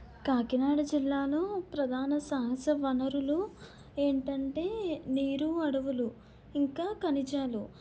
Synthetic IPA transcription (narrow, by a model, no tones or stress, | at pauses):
kaːkinaːɽɐd͡ʒilːaːloːpɾɐd̪ʱaːnɐsɐɦɐsɐʋɐnɐɾulo | e̞ːɳʈɐɳʈe̞ːniːɾuɐɽɐʋulu | iŋkaːkɐnit͡ʃaːlu